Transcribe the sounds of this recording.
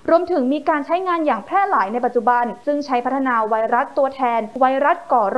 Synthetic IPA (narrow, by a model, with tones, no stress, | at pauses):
ɾu˧əmt̪ʰɯ˩˦ŋmiː˧kaː˧nt͡ɕʰa˦˥jŋaː˧njaː˨˩ŋpʰɛː˥˩laː˩˦jna˧jpa˨˩t̪̚t͡ɕu˨˩ba˧nsɯ˥˩ŋt͡ɕʰa˦˥jpʰa˦˥t̪ʰːa˧naː˧wa˧˥jɾa˦˥t̪ːu˧ɐt̪ʰɛː˧nwa˧˥jɾa˦˥t̪̚kɔː˩˦ɾ